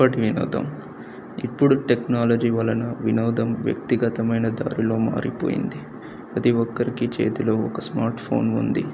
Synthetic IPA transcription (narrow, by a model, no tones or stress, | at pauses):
ɐʈiʋino̰ːd̪ɐ̰m | ipːuɽuʈeknaːlɐd͡ʒiːʋɐlɐnɐʋinɔːd̪ɐmʋjɐ̰k̚t̪iɡɐt̪ɐmɐjnɐd̪a̰ːɾilo̞ːma̰ːɾipoːjḭnd̪i | ɐt̪iɔkːɐɾikit͡ʃe̞̰ːt̪ulo̞ːɔkɐsmaːɾʈpʰo̞̰ːnṵnd̪ḭ